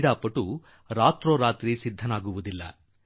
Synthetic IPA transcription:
ɽaːpːɐʈːu | ɾaːt̪ɾoːɾaːt̪ɾisid̪ʱːɐnaːɡuʋud̪ilːɐ̰

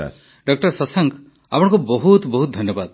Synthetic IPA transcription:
ɖɔk̚ʈʌɾsɔsaŋk | apɔɽɔ̃ŋkubɔɦut̪bɔɦut̪̚d̪ʱɔnjɔbad̪̚

